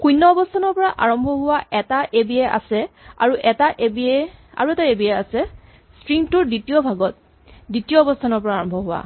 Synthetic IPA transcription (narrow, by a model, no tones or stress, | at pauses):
kujnːɔːbɔstʰanɔɹpɔɹaʔaɹɔmbʱɔɦʊwaʔɛtaʔebiɛʔa̰sɛa̰ɹuʔɛtaʔebiɛa̰ɹuɛtaebiɛasɛ | stɹiŋtʊɹditijɔbʱaɡɔt̚ | ditijɔːbɔstʰanɔɹpɔɹaːɹɔmbʱɔɦʊwa̰